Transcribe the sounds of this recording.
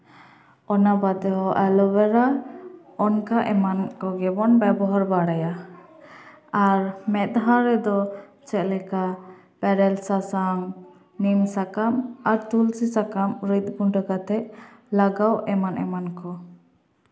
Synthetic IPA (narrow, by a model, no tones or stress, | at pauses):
ɔnabad̪ɛɦɔʔɛlɔwɛɾa | ɔnkaʔɛmankɔɡɛbɔnbɛbɔɦaɾbaɽaja | aɾmɛt̪̚ɦaɾɛd̪ɔ | t͡ʃɛʔlɛka | pɛɾɛlsasaŋ | nimsakamaɾt̪ulsisakamɾit̪̚ɡuɳɖɔkat̪ɛʔlaɡawʔɛmanʔɛmankɔ